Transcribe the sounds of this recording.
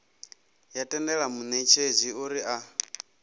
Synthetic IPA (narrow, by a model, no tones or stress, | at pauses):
jatʼɛndɛɺamunet͡ʃʰeziuɾiʔa